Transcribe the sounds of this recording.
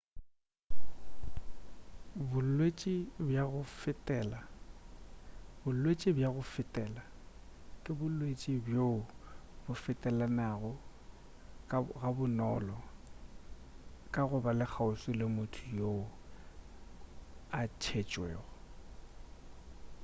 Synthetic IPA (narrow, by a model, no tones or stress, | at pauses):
bʊllwet͡ʃʼibjaɣʊfɪtʼɛːla | bʊl̩lwet͡ʃʼibjaɣʊfɪtʼɛːla | kʼɪbʊlwet͡ʃʼibjoʊbʊfɪtʼɛlanaɣʊ | ɣabʊnɔlɔ | kʼaɣʊbalɪk͡xʰaʊsɪlɪmʊtʰʊjo | at͡ʃʰet͡ʃʼwḛːɣʊ